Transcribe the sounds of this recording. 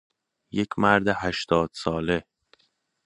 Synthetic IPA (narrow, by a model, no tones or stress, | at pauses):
je̞cʰmæɾd̪ehæʃt̪ɒːd̪̥sɒːle̞